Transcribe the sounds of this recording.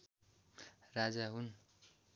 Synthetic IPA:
rad͡zaɦun

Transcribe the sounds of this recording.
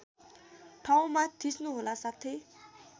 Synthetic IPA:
ʈʰaw̃mat̪ʰisnuɦolasat̪ʰe

